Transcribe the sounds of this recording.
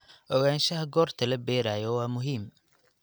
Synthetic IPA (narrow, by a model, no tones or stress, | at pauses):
ʔɔɣaːnʃɐɦɐɡɔːrt̪ʰɐlɐbɛːɾaːjɔwɑːmʊɦiːm